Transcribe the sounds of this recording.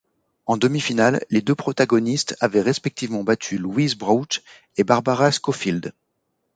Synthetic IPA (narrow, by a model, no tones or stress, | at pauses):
ɑ̃d̪əmifinalːed̪øpχɔt̪aɡɔnist̪avɛʁɛspɛk̚t̪ivmɑ̃bat̪ʰylwizbʁat̪ | ebaʁbaʁaskɔfild̪